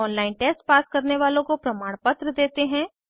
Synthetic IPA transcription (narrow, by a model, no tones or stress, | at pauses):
ɔːnlaːɪnʈeːsʈpaːskɐɾneʋaːlõkopɾɐmaːɽ̃pɐt̪ɾəd̪eːt̪eɦɛ̃ː